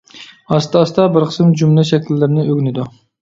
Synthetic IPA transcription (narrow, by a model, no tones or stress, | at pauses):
ɑst̪ɑst̪ɑbɪɾqʰə̥sɨmd͡ʒumlɛʃɛkʲlːɪɾnɪøɡʲnɪd̪u